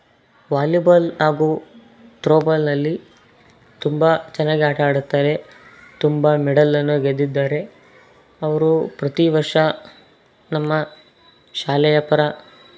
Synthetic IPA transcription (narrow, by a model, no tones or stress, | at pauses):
ʋaːlibɐlɦaːɡuː | ʈɾoːbɐlnɐlːi | t̪umbɐt͡ʃɐnːaːɡeaːʈaːɽut̪ːaːɾe̞ | t̪umbɐmɛɽɐlːɐnːuɡed̪ːid̪ːaːɾe̞ | ɐʋɐɾupɾɐt̪iʋɐɾʂɐ | nɐmːɐ | ʃaːlɛjɐpɐɾɐ